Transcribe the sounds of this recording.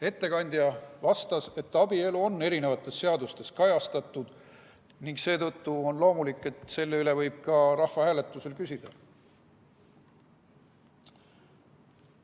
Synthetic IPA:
e̞t̪ːe̞kɑnʲd̪̥jɑvɑst̪ɑse̞t̪ːˑɑbie̞luo̞nːe̞ɾine̞vɑt̪ːˑe̞sːe̞ɑd̪ust̪e̞skɑjɑst̪ɑt̪ˑːud̪̥ | niŋɡse̞ːt̪ɤ̞t̪ːuonlo̞ːmulikːˑe̞t̪ˑse̞lːeyle̞vɤjb̥̚kɑɾɑhvɑhæːle̞t̪ːˑuse̞lkysʲid̪̥ɑ

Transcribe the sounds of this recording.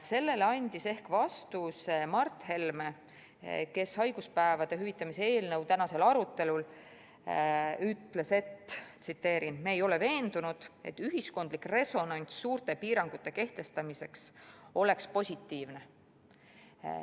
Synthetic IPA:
se̞lːe̞lɑnʲd̪̥ise̞hkvɑst̪usemɑrt̪ˑhe̞lme | ke̞shɑjɡ̥uspæevɑd̪̥e̞ɦyvit̪ːˑɑmisee̞ːlnɤwt̪ænɑse̞lɑɾut̪ːˑe̞lul | yt̪ːˑle̞se̞t̪ːt̪sit̪ːe̞ːɾinmeːjo̞le̞ve̞ːnd̪unud̪̥e̞̰t̪ːyɦisko̞nd̪̥likre̞so̞nɑnʲt̪sːuːrt̪e̞piːɾɑŋɡ̥ut̪ːˑe̞ke̞ht̪e̞st̪ɑmise̞kso̞le̞kspo̞sʲit̪ːiːvne̞

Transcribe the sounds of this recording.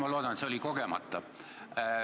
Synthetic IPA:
mɑlo̞ːd̪̥ɑnet̪seo̞liko̞ɡemɑ̰t̪ˑːɑ

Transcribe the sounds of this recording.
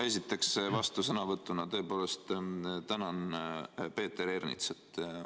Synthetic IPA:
e̞sit̪ːˑe̞ksvɑst̪usɤnɑvɤt̪ːˑunɑt̪ɤ̞epo̞ːle̞st̪t̪ænɑnpe̞ːt̪ːe̞ɾernḭt̪set̪ːˑ

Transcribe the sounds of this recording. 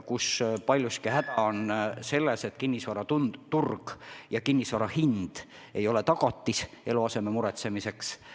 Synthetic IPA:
kuspɑlʲjuskihæd̪̥ɑonse̞lːeset̪ːˑkinʲːisvɑɾɑt̪ut̪urɡ̥jɑkinʲːisvɑɾɑhind̪̥ | e̞̰jo̞le̞t̪ɑɡ̥ɑt̪ˑːis | e̞luɑse̞me̞muɾet̪se̞mise̞ks

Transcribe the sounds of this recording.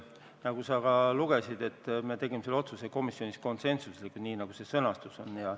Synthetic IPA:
nɑɡusɑkɑluɡ̥e̞sid̪e̞t̪ːˑmet̪e̞ɡ̥imeselːo̞t̪suseko̞misio̞nisko̞nt̪se̞nsuslikːˑud̪niːnɑɡ̥use̞sɤ̞nɑst̪uso̞njɑ

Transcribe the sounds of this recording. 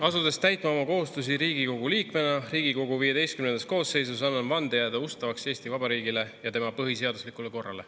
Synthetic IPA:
ɑsud̪̥e̞st̪æjt̪ˑmɑo̞mɑko̞ɦust̪us̬iɾiːɡiko̞ɡ̥uliːkme̞nɑriːɡ̥iko̞ɡuvije̞d̪e̞jst̪kymnend̪ɑsko̞ːsːe̞js̬us̬ɑnːɑnvɑnd̪̥ejæːd̪eust̪ɑvɑkse̞ːsʲt̪ivɑbɑɾiːɡile̞jɑt̪emɑpɤɦis̬e̞ɑd̪uslikːˑule̞ko̞rːɑ̰le̞

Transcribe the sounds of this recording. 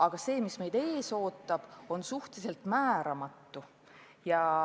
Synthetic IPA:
ɑɡ̥ɑse̞ːmisme̞jd̪̥e̞ːso̞ːt̪ːˑɑb̥o̞nsuht̪ise̞lt̪mæːɾɑmɑt̪ːu | jɑ

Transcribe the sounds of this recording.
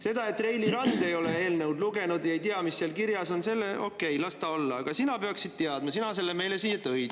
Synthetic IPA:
se̞d̪ɑe̞t̪ːˑre̞jliɾɑnd̪e̞jo̞lee̞ːlnewd̪luɡe̞nud̪jɑejt̪iɑmisːeɑlkirjɑso̞nse̞lːeʔo̞kːe̞jlɑst̪ɑo̞lːɑɑɡ̥ɑsinɑpeɑksid̪̥̚t̪eɑd̪mɑsinɑs̬e̞lːeme̞jlesiːet̪ɤjd̪̥

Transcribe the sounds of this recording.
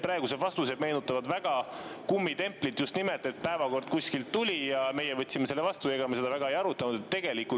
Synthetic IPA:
pɾɑeɡuse̞vɑst̪use̞bme̞nut̪ːˑɑvɑd̪væɡ̥ɑkumːit̪e̞mplit̪just̪nimelt̪e̞t̪̚pæevɑko̞rd̪̥̚kuskilt̪ːulʲijɑme̞jevɤt̪ʲːsime̞selːevɑst̪ueɡ̥ɑmese̞d̪ɑvæɡ̥ɑejɑɾut̪ːˑɑnud̪̥et̪ːe̞ɡ̥e̞liku

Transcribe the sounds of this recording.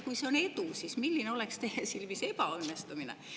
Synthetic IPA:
kuiseonet̪uˑsismilːineolekst̪ehæsilʋisepæonːest̪uminḛ

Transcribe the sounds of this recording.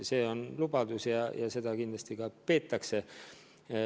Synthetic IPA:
se̞ːo̞nlubɑd̪̥usjɑjɑse̞d̪̥ɑkind̪lɑst̪ikɑpe̞ːt̪ːˑɑkse̞

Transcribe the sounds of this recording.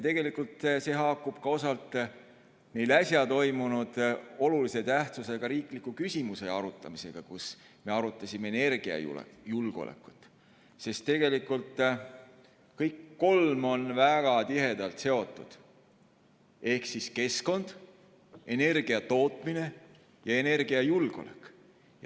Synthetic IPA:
jɑt̪e̞ɡ̥e̞likːult̪se̞ɦɑːkːub̥kɑo̞sɑlt̪ˑ | me̞jlæsʲjɑt̪o̞jmunud̪̥o̞lulise̞t̪æht̪suse̞ɡ̥ɑɾiːklikːˑukysʲimuse̞ɑɾut̪ːˑɑmise̞̰ɡ̥ɑkus | me̞ɑɾut̪ˑːɑsʲimeene̞rɡ̥iɑ̰jṵl̰julɡ̥o̰lḛkːˑu̥t̪ːˑ | se̞st̪ːe̞ɡ̥e̞likːult̪ˑ | kɤjkːo̞lmo̞nvæɡ̥ɑt̪iɦe̞d̪̥ɑlt̪se̞o̞t̪ːˑud̪̥ | e̞hksiske̞sko̞nd̪̥ | e̞ne̞rɡ̥iɑt̪o̞ːt̪ˑmine̞ | jɑe̞ne̞rɡ̥iɑjulɡ̥o̞̰lḛkːˑ | j

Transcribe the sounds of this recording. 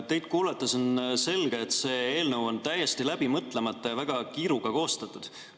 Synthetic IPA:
t̪e̞jd̪̥̚kuːlɑt̪ːˑɑso̞nse̞lɡ̥eːt̪se̞ːeːlnɤwo̞nt̪æje̞st̪ilæb̥imɤt̪ˑle̞mɑt̪ˑːɑjɑvæɡ̥ɑkiːɾuɡɑko̞ːst̪ɑt̪ːˑud̪̥

